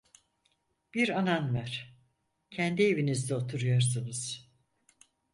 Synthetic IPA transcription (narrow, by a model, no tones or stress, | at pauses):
b̥iɾananvæɾ̥ | cʰænd̪ievinizd̪ɛot̪ʰuɾujaɾsɯnɯz̥